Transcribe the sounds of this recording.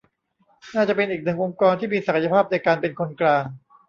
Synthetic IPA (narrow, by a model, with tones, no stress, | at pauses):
naː˥˩t͡ɕa˨˩pe˧nʔiː˨˩k̚nɯ˨˩ŋʔo˧ŋkɔː˧nt̪ʰiː˥˩miː˧sa˨˩kʰa˧˩ja˧pʰaː˥˩p̚na˧jkaː˧npe˧nkʰo˧nklaː˧ŋ